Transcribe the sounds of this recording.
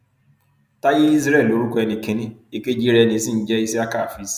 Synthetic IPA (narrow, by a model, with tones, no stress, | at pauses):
ta˦jɪ˦i˦zɾɛ˦˨lo˨ɾu˦kɔ˦ɛ˧nɪ˨ke˨ni˦e˦ke˦d͡ʒi˦ɾɛ˦ne˨˦si˦n̩˦d͡ʒɛ˦i˦si˦a˦ka˦˨fi˨˦s